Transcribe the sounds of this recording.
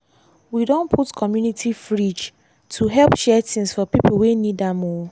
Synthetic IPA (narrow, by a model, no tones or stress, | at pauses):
widõnpʰutkʰɔmjunitʰifɹid͡ʒ | tʰuɦɛlpʃɛtʰĩŋsfɔpipl̩wenidamɔ